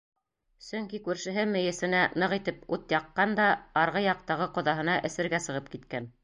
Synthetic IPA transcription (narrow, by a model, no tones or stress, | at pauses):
sɵŋkikʉɾʃɘ̆ɦɘmɘ̆jɘ̆sɘ̆nænɤʁit̪ɘput̪jɑqːɑnd̪ɑɑɾʁɤjɑq̚t̪ɑʁɤqŏðɑɦɤ̆nɑʔɘ̆sɘ̆ɾɡæsɤ̆ʁɤp̚kit̪kæn